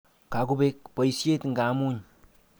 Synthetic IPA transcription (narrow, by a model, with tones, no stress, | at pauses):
ka˨ku˦bek̚pə˨jsjet̪ŋɡa˨muɲ